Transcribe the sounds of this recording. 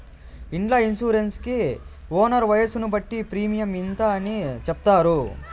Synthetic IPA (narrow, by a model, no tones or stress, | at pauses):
iɳɖlaːinsuːɾenski | oːnɐɾʋɐjɐsunubɐʈːipɾiːmijɐmint̪ɐːnit͡ʃɛp̚t̪aːɾu